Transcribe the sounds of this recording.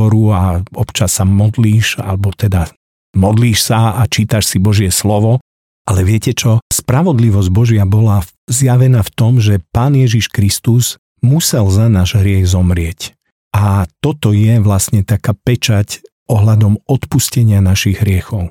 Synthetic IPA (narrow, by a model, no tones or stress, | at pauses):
ɔɾuaɔpt͡ʃasːamɔd̪liːʃa̰lɛbɔt̪ɛd̪a | mɔd̪liːʃsaat͡ʃiːt̪aʃsibɔʒɪɛslɔʋɔ | ʔalɛʋɪɛcɛt͡ʃɔspɾaʋɔd̪liʋɔzɟbɔʒɪabɔla | zjaʋɛnaft̪ɔmʒɛpaːnjɛʒiʃkɾist̪uz | musɛlzanaːʒɦɾɪɛɣzɔmɾɪɛc | ʔat̪ɔt̪ɔjɛʋlasɲɛt̪akaːpɛt͡ʃac | ɔɦlad̪ɔmɔt̪puscɛɲɪanaʃiɣɦɾɪɛxɔʊ